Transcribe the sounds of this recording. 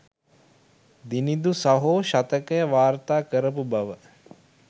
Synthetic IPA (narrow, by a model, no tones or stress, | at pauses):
d̪inid̪usaɦoːʃat̪əkəjəʋaːɾt̪aːkəɾəp̬ubɐʋə